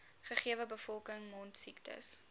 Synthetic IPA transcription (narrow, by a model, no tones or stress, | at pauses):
χəχiəvəbəfɔlˠkəŋmɔntsiktʰə̰s